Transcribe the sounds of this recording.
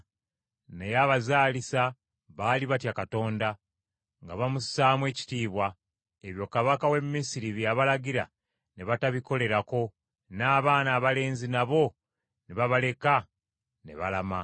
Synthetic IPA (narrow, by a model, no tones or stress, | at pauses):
nejaβazaːlisa | βaːliβatjakato̞ːnda | ŋɡaβamusaːmwe̞ːci̥tiːβwa | eβjo̞kaβakawe̞mːisiɾiβjaβalaɟiɾa̰ | neβataβiko̞le̞ɾako̞ | naːβaːnaːβale̞ːnzinaβo̞ | neβaβale̞ka | ne̞̰βalama